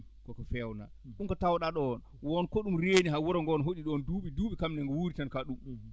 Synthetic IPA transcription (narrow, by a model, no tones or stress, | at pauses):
kɔkɔfɛwna̰ | ɗumkɔtawɗaɗɔn | wɔnkoɗumɾeniɦawɔɾɔŋɡɔnɦoɗiɗɔnduːɓiduːɓikamnɛŋɡɔwuɾitankaɗum